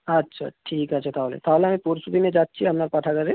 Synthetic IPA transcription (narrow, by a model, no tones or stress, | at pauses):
ɐtːʃʰa̰ʈʰiːkɐtːʃʰat̪ʰaːʋlḛt̪ʰaːʋlemẽpuɾsut̪imẽd͡ʒaːt̪̚t͡ʃʰiɦɐmnaɾpaʈʰakɐɾe